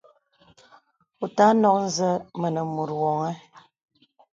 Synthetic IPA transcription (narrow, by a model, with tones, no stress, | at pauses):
u˨ta˦nɔ˦k̚n̩˦zə˦mə˨nə˨mu˨ɾwɔ˨ŋɛ˦